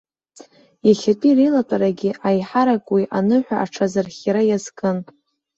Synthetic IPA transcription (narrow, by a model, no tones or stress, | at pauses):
jaχʲatʼirejlatʼaɾaɡʲɪʔajħaɾakʼwiʔanɨħʷᶣaʔːʈ͡ʂʰazarχʲjaɾajazkʼɨn